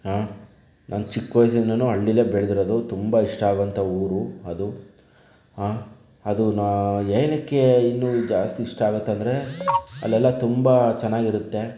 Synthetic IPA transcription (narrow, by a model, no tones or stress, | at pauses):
ɦaː | nʔɐnt͡ʃikːʋɐjs̬ɐinːɐnuːɐɭːilebɛɭd̪iɾod̪ut̪umbɐiʂʈɐaːɡʋɐnt̪ʰɐuːɾuɐd̪u | ɦaː | ɐd̪unaejnɐkːe̞inːud͡ʒaːst̪iːʂʈɐaːɡut̪ːɐnd̪ɐɾe̞ɐ̰lːɛlːɐt̪umbɐt͡ʃɛnːaːɡiɾut̪ːe̞